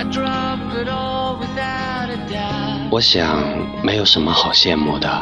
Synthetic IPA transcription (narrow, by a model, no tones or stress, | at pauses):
dɹʌp | ɪɾɔ | lˠwɪða | ʊɾɨda | wɔɕjɑŋ | meɪjoʊʂənməxɑʊɕjɛnmud̪ə